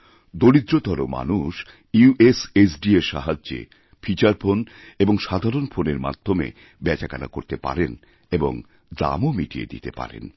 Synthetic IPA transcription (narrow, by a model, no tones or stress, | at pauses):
d̪oɾid̪ɾot̪aɾoma̰nuʃ | iuʔesesɖieʃa̰ɦad͡ʑd͡ʑḛ | fʰit͡ɕaɾpʰon | eboŋʃad̪ʱaɾonfʰoneɾma̰d̪ʱːomḛ | bɛt͡ɕakana̰koɾt̪epa̰ɾen | eboŋ | d̪a̰momiʈiḛd̪ḭt̪epa̰ɾḛn